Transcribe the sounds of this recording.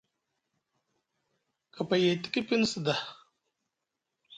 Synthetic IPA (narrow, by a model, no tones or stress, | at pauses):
kapajet̪i̥kipinsd̪a